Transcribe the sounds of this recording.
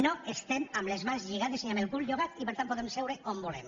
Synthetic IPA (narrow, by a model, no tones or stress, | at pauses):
noest̪emamlezmanzʎiɣaðesniamelkulʎoɣ̞at̪ipeɾt̪ampoðemsewɾeʔombolḛm